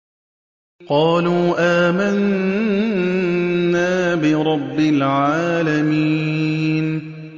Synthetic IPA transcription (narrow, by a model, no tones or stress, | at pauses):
qɑːluːʔaːman | aːbɪɾˤɑbːɪlʕaːlamiːn